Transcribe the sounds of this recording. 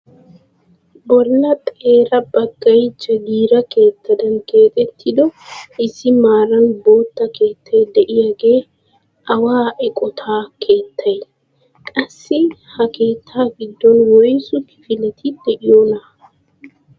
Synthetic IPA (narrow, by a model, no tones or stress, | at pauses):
bɔlːɐt̪ʼe̞ːɾɐbɐɡːɐjt͡ʃːɛɡiːɾɐke̞ːt̪ːɐd̪ɐnke̞ːt̪ʼɛt̪ʰːɪd̪ɔʔɪsːɪmaːɾɐnbo̞ːt̪ːɐke̞ːt̪ʰːɐjd̪ɛʔɪjaɡe̞ː | ʔɐwaːʔɛkʼɔt̪ʰaːkʰe̞ːt̪ʰːɐj | kʼɐsːɪhɐke̞ːt̪ʰːaːɡɪd̪ːɔnwɔjsʊkɪ̥fɪlɛt̪ʰɪd̪̥ɛʔɪjonɐ